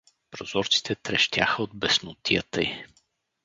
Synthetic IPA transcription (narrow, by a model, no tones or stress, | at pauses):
pɾozɔɾt̪si̥t̪ɛt̪ɾɛʃt̪ʲja̰xəod̪̚bɛsnot̪ijə̰t̪əi